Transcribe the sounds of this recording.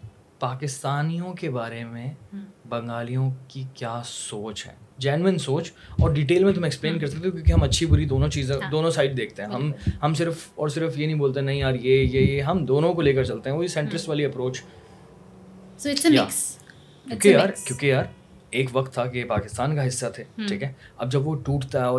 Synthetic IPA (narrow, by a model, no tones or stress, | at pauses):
paːkɪst̪aːnijõkebaːɾemẽbɐ̃ŋɡaːlijõkikjaːsoːt͡ʃɦɛ̰̃ːd͡ʒɛnwɪnsoːt͡ʃɔːɾɖiːʈ̬eːlmẽt̪̬ʊm̃ɛksplẽːnk̬ɐɾs̬ɐkt̪eõkjõːkiɦɐ̃mɐtːʃʰipuːɾid̪oːnõt͡ʃiːzẽd̪oːnõsaːɪɖ̚d̪eːk̚ʰt̪eɦɛ̃ɦɐmɦɐmsɪɾfɔːɾsɪɾəfjenɐɦĩboːlt̪̬eɛnɐɦĩjaːɾjejejeɦɐmd̪oːnõkoleːkɐɾt͡ʃɐlt̪ẽɦɛ̃ʋoːisɛ̃ɳʈɾɪsʈʋaːliɐpɾoːt͡ʃ | ja̰ːks | kj̃ːkijaːɾkjõːkijaːɾ | eːkʋɐkt̪ʰːakepaːkɪst̪aːnkaɦɪsːat̪ʰeːʈʰiːkɦɛ̃ːɐ̰b̚d͡ʒɐbʋoʈuːʈt̪aɦɛɔː